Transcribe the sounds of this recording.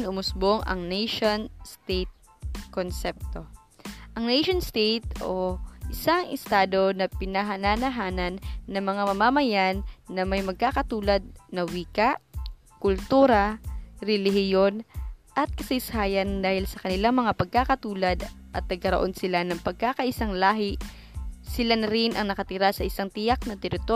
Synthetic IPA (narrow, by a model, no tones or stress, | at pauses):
nʊmʊsboŋʔɐ̰ŋnɛjʃonst̪ejt̪̚ | konsɛp̚t̪o̞ | ʔɐŋnɛjʃonst̪ejt̪̚ʔoʔɪsaŋʔɪst̪aːd̪o̞nɐpɪnɐɦɐnanɐɦaːnɐnːɐŋmɐŋamɐmamɐjanːɐmɐjmɐɡ̚kaːkɐt̪uːlɐd̪̚nɐwiːkaʔ | kʊlt̪uːɾɐɾɛlɪɦɪjo̞nʔɐt̪̚kɐsɪshaːjɐnd̪aːhɪlsɐkɐnɪlaŋmɐŋapɐɡ̚kakɐt̪uːlɐd̪ʔɐt̪̚nɐɡ̚kɐɾoʔo̞nsɪlanɐŋpɐɡ̚kakɐʔɪsaŋlaːɦɪ | sɪlanɐɾɪnʔɐŋnɐkɐt̪ɪɾasɐʔɪsaŋt̪ɪjak̚nɐt̪ɛɾɪt̪o